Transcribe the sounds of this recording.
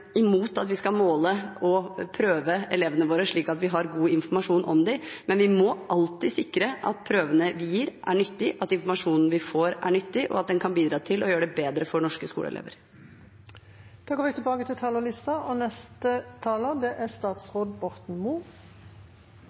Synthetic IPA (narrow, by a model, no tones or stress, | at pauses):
ɪmuːt̪ɑt̪ʋɪskɑlmoːləɔpʰɾøːʋəɛleːʋənəʋoːɾəʂɭiːkɑt̪ʋɪɦɑɾɡuːɪnfɔɾmɑʂuːnʔɔ̰md̪ɛmɛnʋɪmɔʔɑlt̪ɪsɪkːɾəʔɑ̰t̪̚pʰɾøːʋənəʋɪjiːɾʔæ̰ɳʏt̪ːɪʔɑt̪ɪnfɔɾmɑʂuːnn̩ʋɪfoːɾæ̰ɳʏt̪ːɪʔɔ̰ɑt̪̚d̪ɛnkʰɑnbiːd̪ɾɑːt̪ʰɪlɔjøːɾəɖɛbeːd̪ɾəfɔɳɔʂkəskṵːlə̰ɛ̰lḛːʋə̰ɾ | d̪̥oːɡoːʋɪt̪ʰɪlbɑːɡət̪ʰɪlt̪ʰɑːləlɪst̪ɑɔnɛst̪ət̪ʰɑːləd̪ɛʔæst̪ɑːt̪sʁoːd̪bɔɾt̪n̩muː